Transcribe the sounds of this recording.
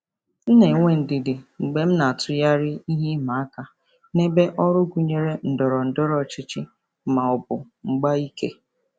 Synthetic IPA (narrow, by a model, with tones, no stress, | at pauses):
n̩˦ne˨˦ŋʷe˦n̩˨dɪ˨dɪ˨ŋ͡m̩˨ɡ͡be˦m̩˦na˨a˨tʰʊ˨ja˦ɾɪ˦i˦ɦi˦ma˨a˦ka˨ | ne˦be˦ʔɔ˦ɾʊ˦ɡu˨ɲe˦ɾe˦n̩˨dɔ˨ɾɔ˨n̩˨dɔ˦ɾɔ˨t͡ʃɪ˦t͡ʃɪ˦ | ma˨ɔ˨bʊ˨ | ŋ͡m̩˨ɡ͡ba˦i˦ke˦